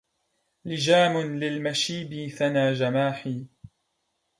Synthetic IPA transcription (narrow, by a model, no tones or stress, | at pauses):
lɪd͡ʒaːmʊnlɪlmaʃiːbiθanaːd͡ʒamaːħiː